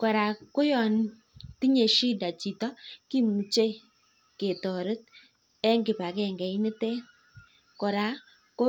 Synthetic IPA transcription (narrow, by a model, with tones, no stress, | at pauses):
kɔ˨ɾa˨ko˦jɔ˨n˦ | ti˦ɲe˨ʃi˦da˨t͡ʃi˨tɔ˦ki˦mu˨t͡ʃe˦˨ | ke˨tɔ˨ɾə˦t̚ | ɛ˦ŋɡɪ˨pa˨kɛ˨ŋɡɛ˨i˦nɪ˦tɛ˦ | kɔ˨ɾa˨ | ko˦